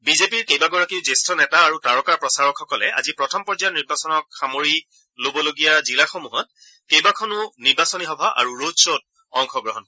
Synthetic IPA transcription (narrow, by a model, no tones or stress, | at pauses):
bizepiɹkejbaɡɔɹakiʊzestɔnɛtaːɹutaɹɔkaɹpɹɔsaɹɔkxɔkɔlɛ̰a̰zipɹɔtʰɔmpɔɹzajɔniɹbasɔnɔkxamoɹi | lobɔloɡijazilaxɔmuɦɔt̚ | kejbakʰɔnʊniɹbasɔnixɔbʱaʔa̰ɹuɹodsot̚ | ɔŋxɔɡɹɔɦɔn